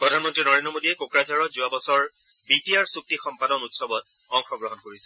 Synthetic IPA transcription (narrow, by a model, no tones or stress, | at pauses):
pɹɔdʱanmɔntɹinɔɹendɔmodiɛkokɹazaɹɔzuabɔsɔɹ | bitiaɹsuk̚tixɔmpadɔnutsɔbɔt̚ | ɔŋxɔɡɹɔɦɔnkoɹisɛ̥